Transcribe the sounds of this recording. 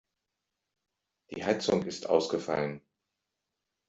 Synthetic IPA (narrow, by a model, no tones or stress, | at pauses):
d̥ḭːhat͡sʊŋɪstʔa̰ʊsɡ̥əfa̰lən